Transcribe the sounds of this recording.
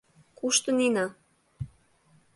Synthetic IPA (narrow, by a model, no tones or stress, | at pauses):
kuʃt̪əninɑ